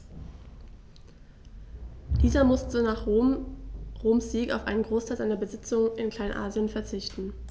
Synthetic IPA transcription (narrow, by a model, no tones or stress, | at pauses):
d̥iːzɐmʊstənaːχ | ʁoːmsz̥iːka̰ʊfʔa̰ɪnənɡʁoːstʰaɪlzaɪnɐbəzɪt͡sʊŋəʔɪnkʰl̥aɪnʔa̰ːzjənfɛɐt͡sɪçtn̩